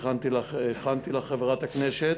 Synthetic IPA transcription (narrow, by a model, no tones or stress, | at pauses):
χant̪ilaeχant̪ilaχevʁat̪hakneʃet